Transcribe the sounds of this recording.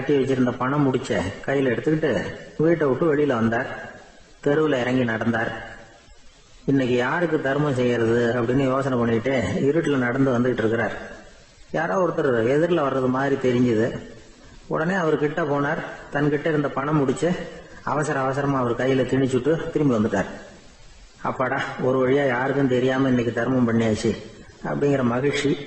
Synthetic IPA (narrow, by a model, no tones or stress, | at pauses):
kɐʈːiʋɛt͡ʃːɪɾɯnd̪ɐpɐɳɐmːʊɽɪt͡ʃːɐkɐjːɪlɛɽɯt̪ːɯkːɪʈːɯʋiːʈːɐʋɯʈːɯʋɛɭɪjɪlɐʋɐnd̪aːɾ | t̪ɛɾɯʋɪlɐɪɾɐŋɡinɐɽɐnd̪aːɾ | ɪnːɛk̬ːɯjaːɾɯk̬ːɯt̪ɐɾɯmɐ̃s̬ɛjːɪɾɐðɯɐpːɐɽɪnːɯjoːsɐnɐpɐɳːɪkɪʈːeːɪɾɯʈːɪlɐnɐɽɐnd̪ɯʋɐnd̪ɯkɪʈːɪɾɯkːɪɾaːɾ | jaːɾoːɔɾɯt̪ːɐɾɐðɯɛðɪɾɪlɐʋɐɾːɐðɯmaːd̪ɾit̪ɛɾɪɲd͡ʒɐðɯ | ɔ̰ɽɐneːɐʋɐɾɯkɪʈːɐpoːnaːɾt̪ɐnkɪʈːɐɪɾɯnd̪ɐpɐɳɐmːʊɽɪt͡ʃːɯɐ̰ʋɐsɐɾɐːʋɐsɐɾɐmaːɐʋɐɾɯkɐjːɪlɐt̪ɪɳɪt͡ʃːɯʈːɯt̪ɪɾɯmbiʋɐnd̪ɯʈːaːɾ | ɐ̰pːɐːɽaːɔɾɯʋɐɻɪjaːjaːɾɯkːɯ̃nt̪ɛɾɪjaːmɐɪnːɛkːɯt̪ɐɾmɐmpɐɳːijaːt͡ʃːi | ɐ̰pːɐɽɪŋɡɪɾɐmɐɣɐɻt͡ʃi